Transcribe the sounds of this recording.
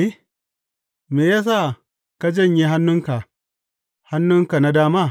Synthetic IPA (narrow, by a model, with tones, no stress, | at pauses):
e˦ | meː˨jaː˦s̬a˦˨ | ka˦d͡ʒɐ˦˨ɲji˦ɦa˦nːʊ˦ŋka˨ | ha˦nːʊ˦ŋka˨na˦daː˦maː˦˨